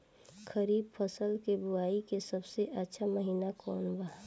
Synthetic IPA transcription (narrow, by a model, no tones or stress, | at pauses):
kʰəɾiːb̚pʰəsəlkebuaːikesəbseʔətːʃʰaməɦiːnakɔːnbəɦã